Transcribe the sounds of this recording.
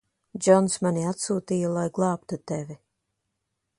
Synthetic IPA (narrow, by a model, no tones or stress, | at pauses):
d͡ʒɔnsmaniat̪suːt̪iːjɔlˠajɡlˠɑːpt̪ut̪ɛvi